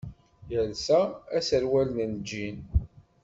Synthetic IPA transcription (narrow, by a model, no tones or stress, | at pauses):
jəlsææsəɾwælnənd͡ʒːin